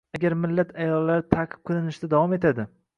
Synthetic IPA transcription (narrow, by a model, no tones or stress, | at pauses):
aɡʲaɾmɪlːat̪ʰajɒlːaɾɪt̪ʰaqʰɨ̥p̚qʰɨlɪnɪʃd̪ad̪avɒme̞t̪ʰad̪ɪ